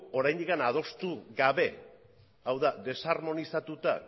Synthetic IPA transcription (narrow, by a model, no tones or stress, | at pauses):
o̞ɾajnd̪ikanaðo̞st̪uɣaβe̞ | awðaðe̞sarmo̞nisat̪ut̪a̰